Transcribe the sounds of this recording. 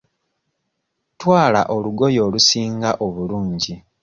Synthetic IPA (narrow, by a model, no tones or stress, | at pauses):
twaːla̰ʔo̞luɡo̞jo̞ːlusiːŋɡaʔo̞βuluːɲɟi